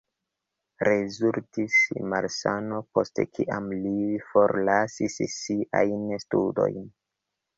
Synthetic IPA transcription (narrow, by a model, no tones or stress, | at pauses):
ɾezultismaɾsanopo̞stekʰiʔamlifo̞ɾlasissiʔa̰jnstudo̞̰jn